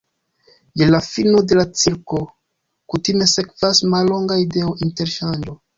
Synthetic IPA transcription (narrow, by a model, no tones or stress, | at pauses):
jelafino̞de̞lat͡siɾko̞ | kutime̞se̞kvasmalːo̞ŋɡaide̞oʔinte̞ɾʃand͡ʒo̞